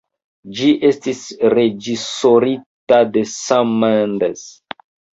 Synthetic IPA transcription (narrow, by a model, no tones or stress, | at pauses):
d͡ʒiʔe̞stisred͡ʒisoɾitadesamːandes